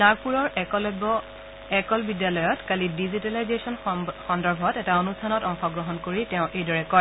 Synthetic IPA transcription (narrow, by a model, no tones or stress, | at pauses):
taɹpuɹɔɹklbɔ | ɛkɔlbidjalɔjɔtkalidizitalajzesɔnxɔndɔɹbʱɔtɛtaonustʰanɔtɔŋxɔɡɹɔɦɔnkoɹitɛʊ̃ʔejdɔɹɛkɔ